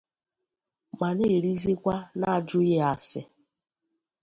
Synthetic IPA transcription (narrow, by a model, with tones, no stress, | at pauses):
ma˨ne˦˨ɾi˦zi˦kʷa˦na˦˨d͡ʒʊ˦je˦a˨sɪ˨